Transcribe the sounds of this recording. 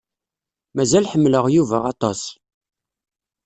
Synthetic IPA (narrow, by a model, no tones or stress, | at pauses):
mæzælħəmːləʁjuvæɑt̪ˤɑs